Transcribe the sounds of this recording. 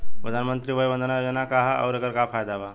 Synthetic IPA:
pɾəd̪ʱanmənt̪ɾibəjbənd̪ʱənajod͡ʒənakaɦə̰wɾekəɾkapʰajd̪aba

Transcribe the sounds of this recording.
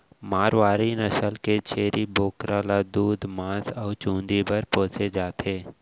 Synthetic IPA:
maːɾʋaːɾinəsəlket͡ʃʰeːɾiboːkɾaːlad̪uːd̪mãːsɔːt͡ʃũːnd̪ibəɾpoːt͡ʃed͡ʒaːt̪ʰeː

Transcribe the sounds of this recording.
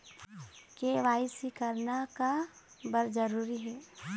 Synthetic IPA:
keʋaːɪsikɐɾnaka | bəɾd͡ʒəɾuːɾiɦɛː

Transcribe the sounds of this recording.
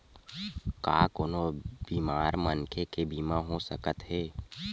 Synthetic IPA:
kaːkoːnobiːmaːɾmənkʰekebiːmãɦosə̰kət̪ɦɛː

